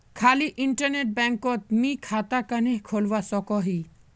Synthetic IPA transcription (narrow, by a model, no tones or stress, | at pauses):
kʰaːliʔɪɳʈəɾneʈ̚bɛ̃ːŋkɔt̪̚mikʰaːt̪akəneɦkʰolʋasɔkɔɦi